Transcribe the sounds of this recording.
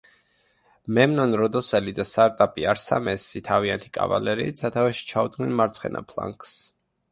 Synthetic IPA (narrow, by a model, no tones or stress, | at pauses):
mɛmnɔnɾɔd̪ɔsɛlid̪ast̪aɾt̪ʼapʼiaɾsa̰mɛsːit̪ʰaviant̪ʰi̥kʼa̰va̰lɛɾḭt̪sʰat̪ʰavɛʃi̥t͡ʃʰaud̪ɡnɛnmaɾt̪sʰχɛ̰nʔa̰pʰlˠa̰ŋkʰʼs